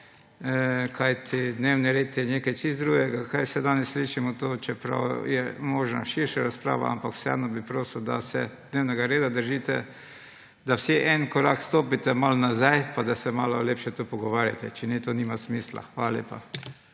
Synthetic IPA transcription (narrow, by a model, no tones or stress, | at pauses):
kʰajt̪ʰid̪newniɾeːt̪jɛneːkajt͡ʃist̪d̪ɾuːɡɛɡakajsɛd̪aːnɛsːliːʃimɔt̪oːt͡ʃɛpɾa̰wjɛ̰moːʒna̰ʃiɾʃaɾaspɾa̰ːʋa̰ʔa̰mpakw̥sɛa̰nɔbipɾoːsuwd̪a̰sɛ̰d̪neːwnɛɡaɾeːd̪ad̪əɾʒiːt̪ɛ | d̪awsiʔɛnkɔɾakst̪oːpit̪ɛmalnazajpad̪asɛmaːlɔleːpʃɛt̪upɔɡɔʋaːɾja̰t̪ɛt͡ʃɛnɛt̪oniːmasmiːsla̰xʋaːlalḛːpa̰